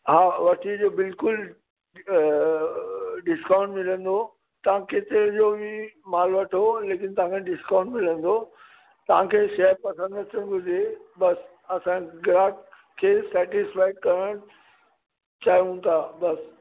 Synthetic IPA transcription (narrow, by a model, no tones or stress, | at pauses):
ɦaːʋɐʈʰid͡ʑobɪlkʊl | ɖɪskãːʊ̃ɳɖmɪlə̃nd̪o | t̪ɐʋ̤ãkeːt̪ɪɾɪ̃d͡ʑobimaːlʋɐʈʰoleːkɪnt̪ɐʋãkʰẽɖɪskãːʊ̃ɳɖmɪlə̃nd̪o | t̪ɐʋ̤ãkʰeːʃɐəɾpɐsə̃nd̪ət̪ʰə̃ɡʱʊd͡ʑʱebɐs | ɐsãɡɾaːk | kʰːeːsɛːʈɪsfaːɪɖkɐɾəɽ̃ | t͡ɕaːiũt̪ʰaːbɐs